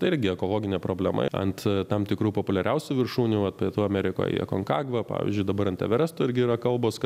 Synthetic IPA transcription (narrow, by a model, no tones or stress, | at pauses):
t̪ɐɪɪɾʲɡʲɪɛkoːlˠoːɡʲɪnʲeːpɾoːbʲlʲɛmɐ̰ɐ̰nt̪t̪ɐmt̪ʲɪkɾuːpoːpʊlʲɛɾʲɛʊsʲuːʋʲɪrʃuːnʲuːʋɐt̪pʲiɛt̪uːɐmʲɛːɾʲɪko̰ːjḭkoːŋkɑːɡʋɐpɑ̰ːʋʲḭzʲd͡ʒʲʊɪd̪ɐbɐɾɐnt̪ʲɛ̰ʋʲɛɾʲɛst̪ʊːɪɾʲɡʲɪiːɾɐkɐlˠboːskɐ